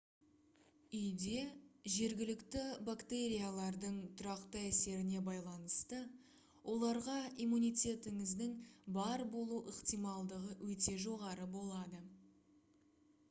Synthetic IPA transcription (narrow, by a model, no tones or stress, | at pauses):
ʏjd̪e̞ʒe̞ɾɡʲɪlɪkt̪ɪbakt̪e̞ɾʲijalˠɑɾd̪əɴt̪ʰʊɾɑqt̪əæse̞ɾɪne̞bɑjlˠɑnəst̪ə | wʔo̞lˠɑɾʁɑijmunijt̪ʲe̞t̪ɪŋɪzd̪ɪŋbɑɾbo̞lˠuʔəqt̪ijmɑlˠd̪əʁəwʔɵt̪e̞ʒo̞ʁɑɾəbo̞lˠɑd̪ə